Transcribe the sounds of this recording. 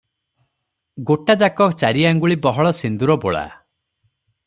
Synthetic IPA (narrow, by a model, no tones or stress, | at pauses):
ɡoʈad͡ʒakɔkt͡ʃaɾiaŋɡuɭibɔɦɔɭɔsind̪uɾɔboɭa̰